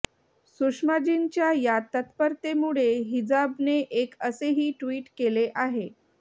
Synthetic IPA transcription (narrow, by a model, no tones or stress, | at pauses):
suʂmad͡ʑint͡ɕjajat̪ət̪pəɾt̪emuɭeɦid͡zabneʔekəseɦiːʈʋiːʈkeleʔaɦe